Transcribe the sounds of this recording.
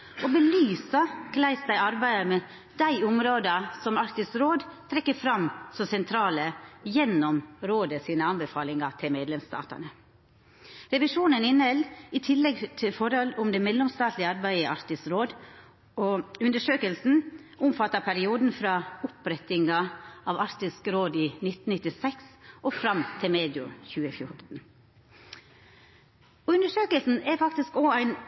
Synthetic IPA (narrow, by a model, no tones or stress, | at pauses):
ʔɔbəlyːsɑkʰlæɪsd̪æɪɑɾbæɪəmɛ | d̪̥æɪʊmɾoːd̪ɑsɔmɑkt̪ɪsɾoːd̪t̪ʰɾɛkːəfɾɑmsɔsɛnt̪ʰɾɑːləjɛnːɔmɾoːd̪əsiːnəɑnbəfɑːlɪŋɑt̪ʰɪlmeːd̪lɛmst̪ɑ̰ːt̪ə̰nə | ɾɛʋɪʂuːnənɪnhɛlɪt̪ʰɪlːɛɡt̪ʰɪlfɔɾhɔlʊmd̪ɛːmɛlːɔmst̪ɑːt̪lɪəɑɾbæɪəʔɑɾt̪ɪsɾoːd̪ | ɔʉnd̪əʂøːkəlsn̩ | ʔʊmfɑt̪ːɑpʰæɾɪuːd̪n̩fɾɑːʊpɾɛt̪ɪŋɑʔɑʋɑɾt̪ɪskɾoːd̪iːnɪt̪n̩nɪt̪ːɪsɛksʔɔfɾɑmt̪ʰɪmeːd̪ɪʉ̰çʉːəfjʊɾt̪n̩ | ɔʉnd̪əʂøːkəlsn̩æɾfɑkt̪ɪskoæɪn